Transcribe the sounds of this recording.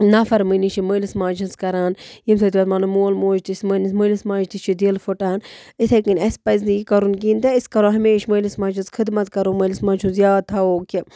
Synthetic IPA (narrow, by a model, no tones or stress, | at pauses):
nɐfɐɾmənit͡ʃʰiməlismaːt͡ʃʰɐnzkɐɾaːnjimsɐt̪iʋɐt̪manɐmoːlmoːd͡ʒt̪isʲmənisməlismãːd͡ʒt̪it͡ʃʰid̪iːlfoʈaːnit̪ʰekɨnʲɐspɐznijikɐɾunkiːnt̪eiskɐɾoːɦɐmeːʃməlismaːt͡ʃʰɨnzkʰɨd̪mɐt̪kɐɾoːməlismãːt͡ʃʰunzjaːt̪ʰɐoːkʲi